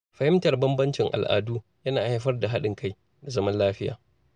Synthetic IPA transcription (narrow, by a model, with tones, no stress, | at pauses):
ɸɐ˨hɪ˦mtɐ˨rbɐ˦mbɐ˦nt͡ʃɪ˨ŋʔa̰˨lʔa̰ː˨duː˦jɐ˦naː˨ha˦jɸɐ˦rda˨ɦa˦ɗɪ˨ŋka˦j | da˨zɐ˦mɐ˦nlaː˦ɸɪ˦ja̰ː˨